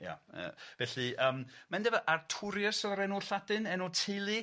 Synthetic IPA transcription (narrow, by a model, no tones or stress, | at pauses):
ja̰ə̰vɛɬɨəːmmandɛvəʔartʰʊɾjəsɔɾɛnuɬadɨnɛnɔtʰelˠi